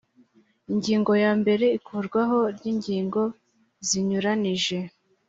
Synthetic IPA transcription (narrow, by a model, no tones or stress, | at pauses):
iɲɟiːŋɡo̞jaːmbe̞ɾe̞ikʰuːɾɡwaɦo̞ɾɟiːɲɟiːŋɡo̞ | ziɲuɾaniʒe̞